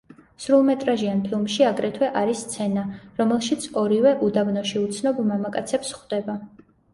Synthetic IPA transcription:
sɾulˠmɛt̪ʼɾaʒianpʰilˠmʃiaɡɾɛt̪ʰwɛʔaɾisːt̪sʰɛnaɾɔmɛlˠʃit̪sʰɔɾivɛʔud̪abnɔʃiut̪sʰnɔblˠmamakʼat̪sʰɛpsχd̪̥ɛba

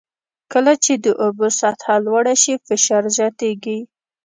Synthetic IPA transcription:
kəlat͡ʃed̪əʔobosat̪hɑlwaɽaʃifɪʃɑɾzjɑt̪eɡi

